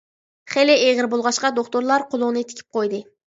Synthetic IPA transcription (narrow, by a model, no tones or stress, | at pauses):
χelɪeʁɪɾbolˠʁɑʃqɑd̪okt̪oɾlˠɑɾqʰʊlˠʊŋnɪt̪ʰɪ̥kʲʰi̥p̚qʰojd̪ɨ